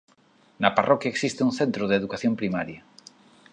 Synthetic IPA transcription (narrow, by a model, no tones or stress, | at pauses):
nɐparʔɔkjɐeksist̪ɪunθẽnt̪ɾʊðeðukaθjompɾimaɾjɐ